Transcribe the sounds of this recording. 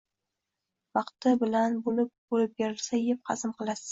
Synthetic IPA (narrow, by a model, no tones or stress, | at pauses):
vɑqt̪ɪbɪlanbolɪp̚bolɪp̚beɾɪlsajep̚qʰɑzɪmqɨlˠasɪ̥